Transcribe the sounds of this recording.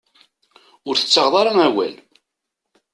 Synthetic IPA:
ʊɾθə̥t͡sːəʁðˤɑɾˤɑæwæ̰l

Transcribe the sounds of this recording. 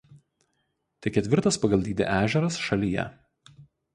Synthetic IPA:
t̪ʲɛkʲɛt̪ʲʋʲɪɾt̪ɐspɐɡɐlˠʲd̪ʲiːd̪ʲḛʔæːʒʲɛɾɐsʃɐlʲijɛ̰

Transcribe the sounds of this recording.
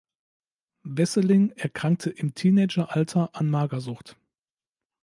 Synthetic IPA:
vɛsəlɪŋʔɛɐkʁ̥aŋk̚tʰəʔɪmtʰiːnɛɪd͡ʒɐʔaltʰɐʔanmaːɡɐzʊχt

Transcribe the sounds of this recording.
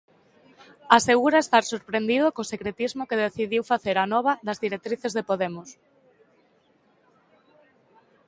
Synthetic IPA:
aseɣuɾaest̪aɾsoɾpɾend̪iðokosekɾet̪izmokeðeθiðiwfaθeɾanɔβ̞ɐðɐzðiɾek̚t̪ɾiθezðepoðemʊs

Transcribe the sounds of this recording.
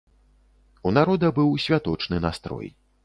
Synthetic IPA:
unaɾɔd̪ɐbɨwsʲvʲat̪ɔt͡ʂnɨnast̪ɾɔ̰j

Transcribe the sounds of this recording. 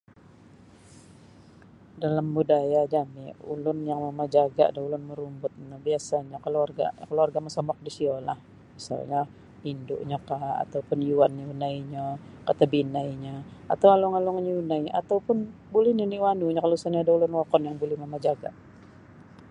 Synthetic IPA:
dalambudajad͡ʒamḭṵlʊnjaŋmamad͡ʒaɡa̰ʔdaulʊnməɾumbʊt̪̚nabiasaɲakəluarɡa̰kəluarɡamasɔmɔk̚disiola̰h | misa̰lɲa | pindʊ̰ʔɲakaa̰t̪awpʊnjuanːaunaiɲakat̪abinaiɲaa̰t̪awaluŋaluŋɲunaia̰t̪awpʊnbulɛhniniwanuɲakalosanɲaːdaulʊnwɔkɔnjaŋbulɛhmamad͡ʒaɡa̰ʔ

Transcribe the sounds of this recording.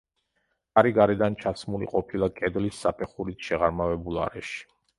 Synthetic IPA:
aɾiɡaɾɛd̪ant͡ʃʰasmulḭqʼɔpʰilˠakʼɛd̪lisːapʰɛχuɾisʃɛʁaɾmavɛbulˠa̰ɾɛʃi̥

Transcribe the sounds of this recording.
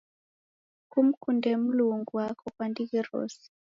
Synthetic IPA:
kum̩kundɛm̩luŋɡuwakʰɔkwandikiɾɔ̰si̥

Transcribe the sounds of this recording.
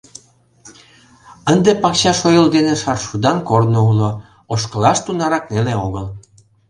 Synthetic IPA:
ənd̪epɑkɕɑʃojəld̪eneʃɑrʃud̪ɑnkornoulo | oʃkəlɑʃt̪unɑɾɑkneleoɣəl

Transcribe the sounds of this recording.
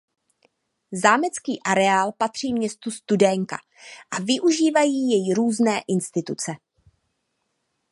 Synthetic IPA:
zaːmɛt͡skiːʔaɾɛaːlpat̪r̝̥iːmɲɛst̪ust̪udɛŋka̰ | ʔavɪʔuʒiːvajiːjɛjɾuːznɛːʔɪnst̪ɪt̪ut͡sɛ

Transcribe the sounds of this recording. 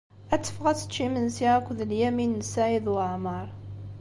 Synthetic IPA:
æt͡sːə̥fʁæt͡sːə̥t͡ʃːimənsiʕækʷðəljæminːsaʕiðwəʕmɑɾˤ

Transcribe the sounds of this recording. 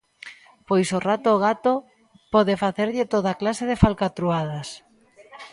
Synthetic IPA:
pojsorat̪oːɣat̪o | pɔðɪfaθeɾʎɪt̪oðaklaseð̞efalkat̪ɾuaðas

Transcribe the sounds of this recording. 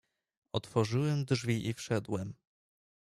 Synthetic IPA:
ɔt̪fɔʐɘwɛmd̪ʐvʲiʔifʂɛd̪wɛm

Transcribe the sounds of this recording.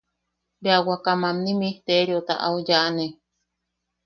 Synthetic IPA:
beawakamamnimit̪eɾjot̪a̰ʔa̰ujaʔne

